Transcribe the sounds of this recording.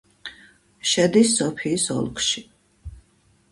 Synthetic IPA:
ʃɛd̪isːɔpʰiːsɔ̰lˠkʰʼʃi

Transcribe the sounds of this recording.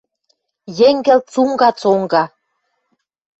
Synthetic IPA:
jeŋɡĕlt̪t͡suŋɡɑt͡soŋɡɑ

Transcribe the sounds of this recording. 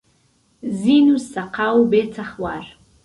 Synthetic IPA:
zinusaqʰawbet͡sʰaχwar

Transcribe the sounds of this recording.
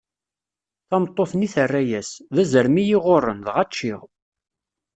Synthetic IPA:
θɑmt̪ˤːoθniθərːæjæsðæzəɾmijiʁorˤːənðʁæt͡ʃːiʁ

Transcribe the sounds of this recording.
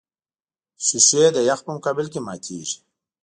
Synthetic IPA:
sused̪əjaxpəmʊkaːbɪlkema̰ːt̪ʰḛːʐi̥

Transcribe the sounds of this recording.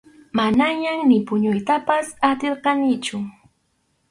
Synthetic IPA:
manaɲaŋnɪpʊɲʊjt̪apasat̪eɾqɑnɪt͡ʃʊ

